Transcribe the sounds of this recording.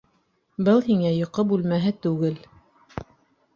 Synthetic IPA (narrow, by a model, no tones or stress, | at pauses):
bɤlˠhiŋæjŏqɤbʉlmæɦɘt̪ʉɡɘl